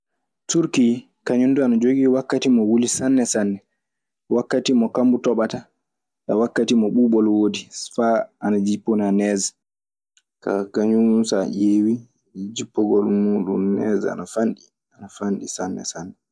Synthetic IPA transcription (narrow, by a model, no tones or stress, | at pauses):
tuɾki | kaɲunduanad͡ʒoɡiwakːatimɔwulisanːɛsanːɛ | wakːatimɔkambutɔɓata | ɗawakːatimɔɓuːɓɔlwodifaanad͡ʒipːɔnanɛːz | ka̰kaɲumunsaʔeːwi | d͡ʒipːɔɡɔlmuːɗṵnnɛza̰nafanɗi | anafanɗisanːɛ̰sanːɛ